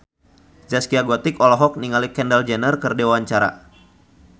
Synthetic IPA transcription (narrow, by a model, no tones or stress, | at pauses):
d͡ʒaskiaɡɔt̪ɪkɔlɔɦɔk̚niŋalikɛndəld͡ʒɛnərkərdewaɲt͡ʃaɾa̰